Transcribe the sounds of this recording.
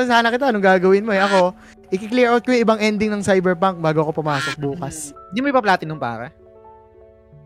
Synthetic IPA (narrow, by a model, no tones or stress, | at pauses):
saːnɐkɪt̪aɐnoŋɡaːɡɐwɪnmoɛʔɐko̞ | ʔɪkɪkliɹot̪̚kojɪbɐŋʔɛnd̪ɪŋnɐŋsajbɛɹpaŋk̚baːɡoɐko̞pʊmaːso̞k̚buːkɐsnd̪imoɪpɐplaːt̪ɪnʊŋpa̰ːɾɐ̰